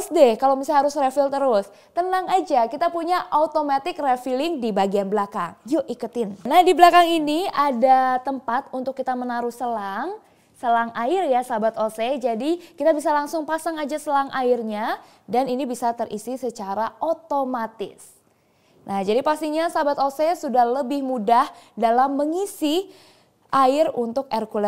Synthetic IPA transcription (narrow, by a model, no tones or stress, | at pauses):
sdɛhkalomisaɦaɾʊsrefɪlt̪əɾʊs | t̪ənaŋad͡ʒakit̪apuɲaʔat̪omat̪ɪk̚refilɪŋdibaɡianblakaŋjoʔikut̪ɪnnahdiblakaŋiniadat̪əmpat̪̚unt̪ʊkːit̪amənaɾʊhsəlaŋ | səlaŋaɪrjasabat̪osɛd͡ʒadikit̪abisalaŋsʊŋpasaŋad͡ʒasəlaŋʔaɪrɲa | daninibisat̪ərisisət͡ʃaɾaʔot̪omat̪ɪ̰s | nʔahd͡ʒadipast̪iɲasabat̪osɛsudahləbɪhmudahdalamːəŋisi | ʔaɪrunt̪ʊkɛrkulɛ